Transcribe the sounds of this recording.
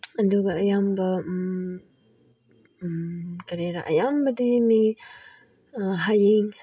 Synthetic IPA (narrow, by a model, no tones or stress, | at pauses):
ɐduɡɐːjambɐ | kɐɾeɾa̰ʔɐ̰jambɐdimi | ɦajeŋ